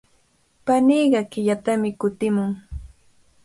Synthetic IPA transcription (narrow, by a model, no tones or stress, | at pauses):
paniːɢɑkɪʎat̪amɪkʊt̪ɪmʊŋ